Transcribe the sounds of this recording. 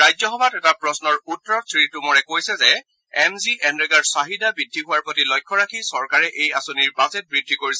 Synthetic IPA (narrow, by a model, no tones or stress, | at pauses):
ɹajzɔxɔbʱatɛtapɹɔsnɔɹutːɔɹɔt̚tɹitumɔɹɛkojsɛzɛ | ɛmziʔɛnɹɛɡaɹsaɦidabɹidʱːiɦʊwaɹpotilɔjkʰːɔɹakʰisɔɹkaɹɛʔejasoniɹbazɛt̚bɹidʱːikoɹisɛ